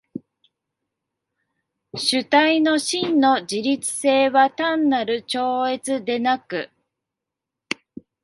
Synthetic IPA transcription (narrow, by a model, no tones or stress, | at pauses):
ɕɨt̪aino̞ɕĩnːo̞d͡ʑiɾʲit͡sɨ̥se̞ːβat̪ãnːaɾɯ̟t͡ɕo̞ːe̞t͡sɨd̪e̞nakɯ̟